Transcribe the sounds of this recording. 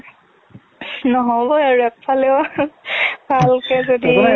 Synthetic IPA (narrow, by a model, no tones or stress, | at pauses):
nɔɦɔbɔjaɹuɛpfʰalɛʊ | bʱalkɛzodi